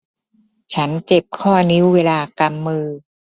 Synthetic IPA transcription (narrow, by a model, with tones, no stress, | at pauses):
t͡ɕʰa˦˥nt͡ɕe˨˩p̚kʰɔː˥˩ni˦˥wːeː˧laː˧ka˧mːɯː˧